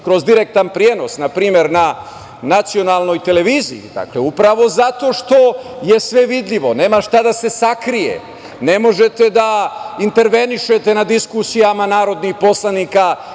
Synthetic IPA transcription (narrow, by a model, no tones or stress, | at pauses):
kɾo̞zd̪iɾe̞k̚t̪anpɾijeno̞snapɾiːme̞ɾna | nat̪sio̞nalno̞jt̪e̞le̞ʋiːzḭḭd̪a̰kleupɾaʋo̞zat̪o̞ʃt̪o̞je̞sʋe̞ʋid̪ʎʲiʋo̞ne̞ːmaʃt̪ad̪ase̞sakɾijḛ | ne̞mo̞ʒe̞t̪e̞d̪aint̪e̞ɾʋe̞niʃet̪e̞nad̪iskusijamanaːɾo̞d̪nixpo̞slˠaniːka